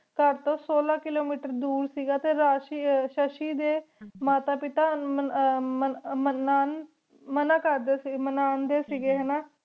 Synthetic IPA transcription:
kəɾt̪õːsoːlaːkɪloːmiːʈəɾd̪uːɾsiːɡaːt̪eːɾaːʃiʃəʃiːd̪eːmaːt̪aːpɪt̪aː | mənaːn | mənãːkəɾd̪eːsimənaːnd̪eːsiːɡeːɦɛːnaː

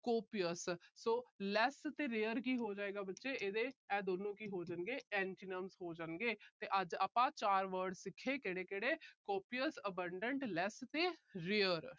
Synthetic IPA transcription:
koːpijəssoːlɛst̪eːɾeːəɾkiːɦoːd͡ʒaːeːɡaːbətːʃeːʔeːd̪eːɛːd̪oːnõːkiːɦoːd͡ʒənɡeːɛ̃ːɳʈiːnəmsɦoːd͡ʒəːnɡeːt̪eːʔəd͡ʒaːpãːt͡ʃaːɾʋəɾɖsɪkʰːeːkeːɽeːkeːɽeːkoːpijəsəbəɳɖəɳʈlɛːst̪eːɾeːəɾ

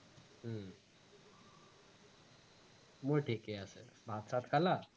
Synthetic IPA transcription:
ɦə | muɭʈʰikeəsḛbʱat̪sat̪kʰala

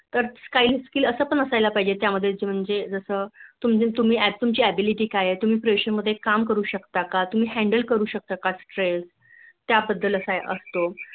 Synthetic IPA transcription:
t̪əɾskailskiːləsəːpəɳəsajlapaid͡ʑet̪jaməd̪ʱːjed͡ʑem̤əɳd͡zed͡zəsəːt̪umet̪um̤iːæt̪umt͡ɕiːæbiliʈiːkajet̪um̤iːpɾʋeɕənməd̪ʱːjekamkəɾuːɕəkt̪akat̪um̤iːɦæ̃ɳɖəlkəɾuːɕək̚t̪akasʈɾels | t̪jabəd̪ːələsajʔəst̪o

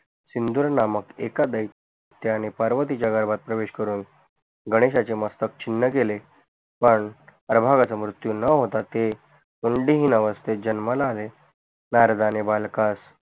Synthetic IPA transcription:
sind̪uɾnaməkḛkad̪əik | t̪janepəɾʋət̪̬it͡ɕjaɡəɾbat̪̚pɾəʋeɕkəɾuːn | ɡəɽ̃eɕat͡seməst̪ək̚t͡ɕinːəkele | pəɳəɾbʱaɡat͡səmɾut̪junəɦot̪at̪e | uɳɖiɦinəʋəst̪ed͡ʑənməlaːle | naɾd̪anebalkas

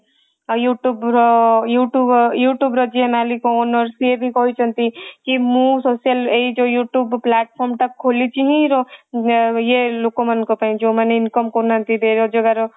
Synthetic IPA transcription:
juʈubɾɔjuʈujuʈjubɾɔd͡ʒiemalikoːnɔɾsiebʱikɔɦit͡ʃʰʌnt̪ikimũsosijaleid͡ʒojuʈjubpːlaʈ̚pʰɔɾmʈakkʰːolit͡ʃʰiɦĩɾɔ | jelokomannkopaĩd͡ʒomaneinkɔmkɔɾnʌnt̪id̪ʱeɾod͡ʒɔɡaɾo

